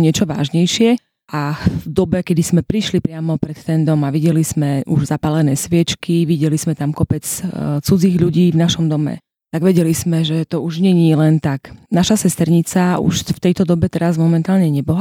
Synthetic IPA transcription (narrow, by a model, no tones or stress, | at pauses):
ɲɪɛt͡ʃɔʋa̰ːʒɲɛjʃɪɛ | ʔavd̪ɔbɛkɛd̪ismɛpɾiʃlipɾɪamɔpɾɛt̪t̪ɛnd̪ɔmaʋiɟɛliz̥mɛʔuʒzapalɛnɛːsʋɪɛt͡ʃkiʋiɟɛlismɛt̪amkɔpɛt͡st͡sud͡ziːɣʎuɟiːvnaʃɔmd̪ɔmɛ̰ | t̪aɡʋɛɟɛlismɛʒɛt̪ɔuʒɲɛɲiːlɛnt̪aknaʃasɛst̪ɛɾɲit͡saṵʃft̪ɛjt̪ɔd̪ɔbɛt̪ɛɾazmɔmɛnt̪aːlɲɛɲɛbɔɦ